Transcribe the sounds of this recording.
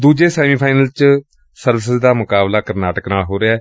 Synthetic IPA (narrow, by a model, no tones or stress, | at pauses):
d̪uːd͡ʒeːsɛːmiːpʰaːnəlt͡ʃ | səɾʋɪsɪzd̪aːmʊkaːblaːkəɾnaːʈəknaːɦoːɾeaː